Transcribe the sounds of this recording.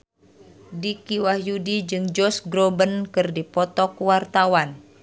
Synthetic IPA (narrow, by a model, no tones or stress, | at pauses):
dikiwahjudid͡ʒɨŋd͡ʒɔsɡɾɔbənkɨrdipɔt̪ɔkwart̪awan